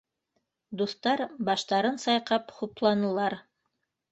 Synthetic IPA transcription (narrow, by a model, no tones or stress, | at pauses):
d̪uθt̪ɑɾbɑʃt̪ɑɾɤnsɑjqɑpχuplˠɑnɤ̆lˠɑɾ